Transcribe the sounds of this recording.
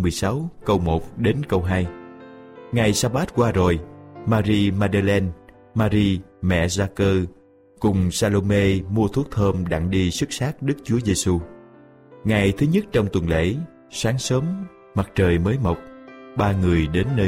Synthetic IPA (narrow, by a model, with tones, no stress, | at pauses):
mɨ˨˩əjsa˨˦wkə˧wmo˨˩t̚ɗe˨˦nkə˧wɦaː˧j | ŋa˨˩jsaː˧ɓaː˦˥t̚kwaː˧zo˨˩jmaː˧ɾi˧maː˧ɗa˧lɛ˧n | maː˧ɾi˧mɛ̰˧˨zaː˧kəː˧ | kʊ˨˩ŋ͡msaː˧lo˧me˧mu˧ət̪ʰu˦˥ək̚t̪ʰəː˧mɗa̰˧ŋɗi˧sɨ˦˥k̚saː˦˥k̚ɗɨ˦˥k̚t͡ɕu˨˦əze˧su˧ | ŋa˨˩jt̪ʰɨ˨˦ɲə˦˥t̚t͡ɕɔ˧wŋ͡mt̪wə˨˩nlḛ˧˥ | saː˨˦ŋsəː˨˦m | ma˨˩t̚t͡ɕəː˨˩jməː˨˦jmo˨˩wk͡p̚ɓaː˧ŋɨ˨˩əjɗe˨˦nːəː˧